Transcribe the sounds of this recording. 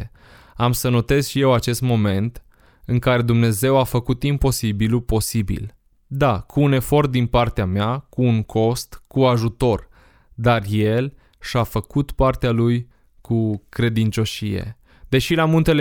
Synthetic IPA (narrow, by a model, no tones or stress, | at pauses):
amsəno̞t̪e̞z̥ʃije̞wat͡ʃe̞st̪mo̞me̞nt̪ | ɨŋkaɾe̞d̪umne̞ze̞wafəkut̪impo̞sibilupo̞sibḭl | d̪akʰuːne̞fo̞rt̪̚d̪inpart̪eameakuːŋkʰo̞st̪kuaʒut̪o̞r | d̪arje̞l | ʃafəkut̪part̪ealuj | kukɾe̞d̪int͡ʃo̞ʃije̞̰ | d̪e̞ʃilamunt̪e̞le